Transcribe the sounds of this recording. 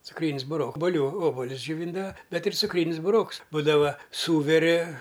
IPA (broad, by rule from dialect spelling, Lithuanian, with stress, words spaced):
t͡sʊkˈrʲiːnʲɪs bʊˈroːk oːbʊˈlʲuː ˈoːbʊlʲʊs d͡ʒʲoːˈʋʲiːndɐʋɐ ˈbʲɛt ɪr t͡sʊkˈrʲiːnʲɪs bʊˈroːks ˈbuːdɐʋɐ ˈsuːʋʲɛrʲɪ